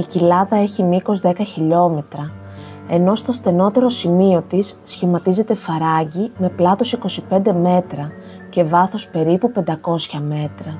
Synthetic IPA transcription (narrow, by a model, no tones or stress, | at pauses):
icilɐðɐe̞çimiko̞zðe̞kɐçiʎo̞me̞t̪ɾɐ | e̞no̞st̪o̞st̪e̞no̞t̪e̞ɾo̞simio̞t̪isːçimɐt̪ize̞t̪e̞fɐɾɐʝime̞plɐt̪o̞siko̞sipe̞nd̪e̞me̞t̪ɾɐ | ce̞vɐθo̞spe̞ɾipupe̞nd̪ɐko̞sçɐme̞t̪ɾɐ